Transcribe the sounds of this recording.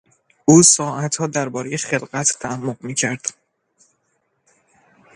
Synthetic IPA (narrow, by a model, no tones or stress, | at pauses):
ʔuːsɒːʔæt̪hɒːd̪æɾbɒːɾejeχe̞lɢæt̪ʰt̪ʰææmːoɢmiːcʰæɾd̪̥